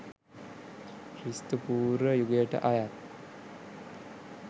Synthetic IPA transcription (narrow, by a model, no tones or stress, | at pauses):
kɾist̪upuːɾʋəjuɡəjəʈə̰ʔajat̪̚